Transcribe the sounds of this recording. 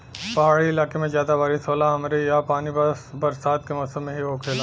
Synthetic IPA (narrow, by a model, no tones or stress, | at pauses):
pɐɦaːɽiɪlaːkemẽzjaːd̪abaːɾisoːlaɦɐmɾejapaːnibɐɾsaːt̪kemɔːsəmːẽɦiɦoːkʰeːlaː